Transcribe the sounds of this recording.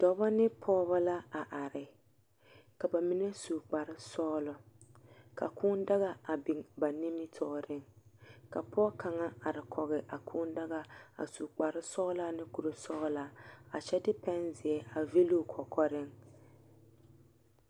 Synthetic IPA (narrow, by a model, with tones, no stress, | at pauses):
d̥ɔ˨˦ba˦nɪ˦pʰɔː˦ba˦la˦a˨ʔa˨ɾɪ˨ | ka˨ba˨mi˦nɛ˦su˨k͡pa˨ɾɪ˦sɔː˦lʊ˨ | ka̰˨kʰʊː˦nda˦ɣa˦a˨bɪ˨ŋba˨nɪ˦mɪ˦tʰɔː˦ɾɪ˦ŋka˨pʰɔ˦ka˨ŋa˦a˨ɾɪ˨kʰɔ˨ɣɪ˨ʔa˨kʰʊː˦nda˦ɣa˦a̰˨su˨k͡pa˨ɾɪ˦sɔː˦la˦nɪ˦ku˨ɾo˨sɔː˦la˦a˨t͡ʃɛ˦dɪ˦pɛ˦nzɪ˨ɛ˦a˨ve˦lo˦kʰɔ˨kʰɔ˦ɾɪ˦ŋ